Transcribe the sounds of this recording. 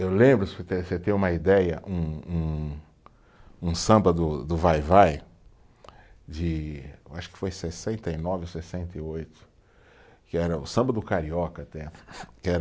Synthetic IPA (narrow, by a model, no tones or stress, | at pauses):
ewlẽbɾʊset̪eset̪ẽj̃ũmɐid̪ɛjɐ̰ʔũũ | ũsɐ̃mbɐd̪ʊd̪ʊvajvaj | d͡ʒɪewaʃʊ̥kɪ̥fojsesẽnt̪ejnɔvɪosesẽnt̪ejojt̪ʊ̥ | kɪɛɾɐʊ̰sɐ̃mbɐd̪ʊkaɾiɔkɐt̪ɛkɪɛɾɐ